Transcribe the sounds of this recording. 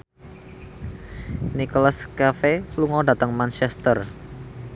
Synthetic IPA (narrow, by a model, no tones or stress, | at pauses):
nikɔlaskafeluŋɔda̤t̪əŋmant͡ʃɛst̪ər